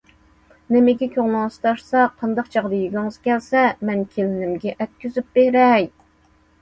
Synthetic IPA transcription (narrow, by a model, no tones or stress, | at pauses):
nɪmɪɡʲɛkʲʰoʁnɑŋst̪ɑʃsɑqʰɑnd̪ɑqt͡ʃʰɑʁd̪ɑjyɡʲɪŋɨz̥kʲʰɛlsɛmɛnkʲʰelɪnɪmɡʲɛʔɛt̪̚kʲyzyp̚beɾɛj